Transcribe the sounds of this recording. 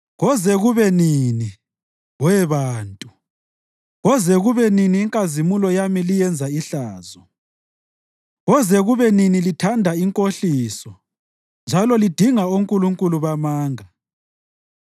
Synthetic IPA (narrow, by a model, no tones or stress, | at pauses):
ɣɔzɛɣuβɛnini | ɣwɛβaːntʼu | ɣɔzɛɣuβɛniniːŋkʼazimulɔjamilijɛnd͡zʱaiɬaːzɔ | ɣɔzɛɣuβɛninilitʰandʱaiŋkʼoɬiːsɔ | nd͡ʒʱalɔlid̥ʱiŋauŋkʼuluŋkʼuluβamaːŋa